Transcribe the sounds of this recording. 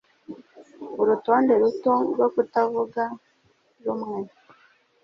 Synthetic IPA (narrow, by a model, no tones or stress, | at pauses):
uɾuto̞ːnde̞ɾutoɾwokutavuɡa | ɾumŋe̞